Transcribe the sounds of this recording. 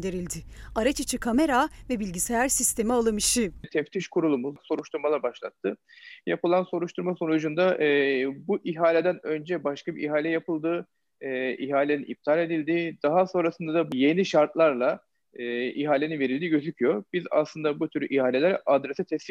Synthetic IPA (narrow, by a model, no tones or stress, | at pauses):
d̪eɾilʲd̪ɪaɾat͡ʃʰɯt͡ʃʰɯkʰame̞ɾavɛbilʲɟise̞jæɾsist̪ʰe̞mialˠɯmɯʃɯt̪ʰɛft̪ʰiʃkʰuɾulˠumuzso̞ɾuʃt̪ʰuɾmalˠaɾbaʃlˠat̪ʰːɯ | japɯlˠanso̞ɾuʃt̪ʰuɾmaso̞nud͡ʒund̪aʔbuʔiɦaːlʲed̪ænø̞nd͡ʒɛbaʃkʰabiʔiɦaːlʲɛjapɯlˠd̪ɯː | iɦaːlʲeninḭp̚t̪ʰaːlʲe̞d̪ilʲd̪ɪd̪̥aɦaso̞nɾasɯnd̪ad̪abje̞niʃaɾt̪lˠaɾlˠa | iɦaːlʲeninve̞ɾilʲd̪iɟø̞zycʰyjo̞b̥iza̰sˠɯnd̪abut̪ʰyɾyʔihaːlʲelʲæɾad̪ɾesɛt̪ʰɛsi